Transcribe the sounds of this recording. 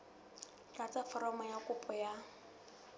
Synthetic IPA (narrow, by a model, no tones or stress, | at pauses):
kat͡sʼafɔɾɔmɔjakʼʊpʼɔja